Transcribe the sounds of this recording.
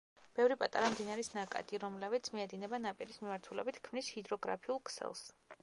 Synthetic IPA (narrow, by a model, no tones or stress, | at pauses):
b̥ɛvɾipʼat̪ʼaɾamd̪inaɾisnakʼa̰t̪ʼiɾɔmlɛbit̪sʰmiɛd̪inɛbanapʼiɾismimaɾt̪ʰulɛ̰bit̪ʰkʰmnishid̪ɾɔɡɾa̰pʰiulˠkʰsɛ̰lˠs